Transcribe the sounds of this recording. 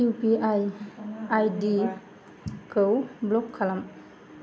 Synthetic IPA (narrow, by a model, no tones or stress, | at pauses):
upiajajdi | kɯwblɔkʰːalam